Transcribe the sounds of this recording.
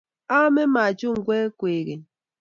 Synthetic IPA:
a˦me˦ma˨d͡ʒu˦ŋ̩˨ɡʷe˦kʷe˨ɣe˨

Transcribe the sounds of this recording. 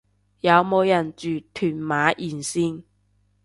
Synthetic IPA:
jɐ˨˧wmo˨˧wjɐ˨˩nt͡ʃyː˨˩t̪ʰyː˨˩nmaː˨˥ʔiː˨˩nsiː˥ŋ

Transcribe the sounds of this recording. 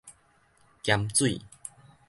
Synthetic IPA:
kja˧mt͡swḭ˥˨

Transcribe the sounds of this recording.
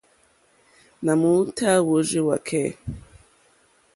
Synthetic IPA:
na˨mu˦tʰa˦wo˨˦ʒe˦wa̰˨kʰɛ˦˨

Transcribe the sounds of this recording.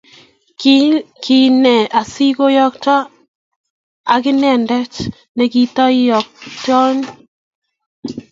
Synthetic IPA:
ki˦nɛ˨ʔa˨si˦ko˦jɔ˦k̚ta˦ | a˨kɪ˦nɛ˨ndɛ˦t͡ʃ | ne˨ki˦tɔ˦i˦jɔ˨k̚t͡ʃɔ˦ɲ

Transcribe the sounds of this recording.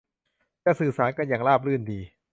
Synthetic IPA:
t̪ɛː˧˩sɯː˨˩saː˩˦nka˧njaː˨˩ŋlaː˥˩p̬̚lɯː˥˩ndiː˧

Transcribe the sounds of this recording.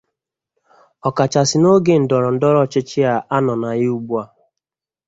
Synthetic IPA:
ɔ˨ka˨t͡ʃa˨sɪ˨no˦ɡe˨n̩˨dɔ˨ɾɔ˨n̩˨˦dɔ˦ɾɔ˦˨t͡ʃɪ˦t͡ʃɪ˦a˨ʔa˦nɔ˨na˨ɣɪ˦u˦ɡ͡bu˦a˦˨

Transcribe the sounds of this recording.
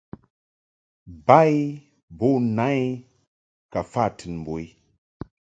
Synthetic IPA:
ba˦j | bɔ˦˨na˦j | ka˨fa˦˨tʰɨ˨nm̩˨bo˨j

